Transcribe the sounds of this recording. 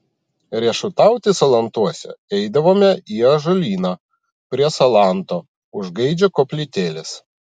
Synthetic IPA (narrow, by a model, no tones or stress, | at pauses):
ɾʲiɛʃʊt̪ɑˑʊt̪ʲɪsɐlˠɐnt̪uɔsʲɛ̰ɛɪd̪ɐʋoːmʲɛiɐʒɔlʲiːnɑ | pʲɾʲiɛsɐlˠɑˑnt̪oː | ʊʒɡɐɪd͡ʒʲɛkoːpʲlʲɪt̪ʲeːlʲɪs